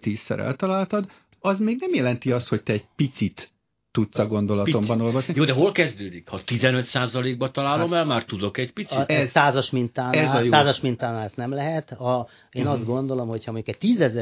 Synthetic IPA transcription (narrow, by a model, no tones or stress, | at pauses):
t̪iːsːɛ̰ɾɛ̰lt̪ɒlaːlt̪ɒd̪ | ɒzmeːɡnɛmjɛlɛnt̪iɒst̪hoc̚t̪ɛːɟ̚pit̪sit̪ː | ut̪sɒɡo̞nd̪o̞lɒt̪o̞mbɒnolvo̞ʃnijoːd̪ɛɦo̞lkɛzd̪øːd̪ikhɒt̪izɛnøt̪saːzɒleːɡ̚bɒt̪ɒlaːlo̞mɛlmaːrt̪ud̪o̞kɛcpisiɛzsaːzɒʃmint̪aːɛzɒjosaːzɒʃmint̪aːnaːsnɛmlɛɦɛt̪ɒ | eːnɒzt̪ɡo̞nd̪o̞lo̞mho̞chɒmoɲɟukɛct̪iːzɛzɛ